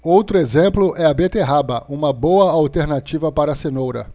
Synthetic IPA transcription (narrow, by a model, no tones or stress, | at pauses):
owt̪ɾʊezẽmplʊʔɛɐbet̪eɦabɐʔũmɐbowɐawt̪eɾnat͡ʃivɐpaɾɐsenowɾɐ̰